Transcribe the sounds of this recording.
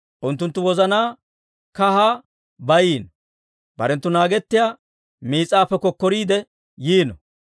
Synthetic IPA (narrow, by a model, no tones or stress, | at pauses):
ʔʊnt̪ːʊnt̪ːʊwɔzɐnaː | kɐhaː | bɐjiːn | bɐ̰ɾɛnt̪ːʊnaːɡɛt̪ːɪjaː | miːt͡sʼːaːpːɛkːɔkːɔɾiːd̪ɛ | jiːnɔ̰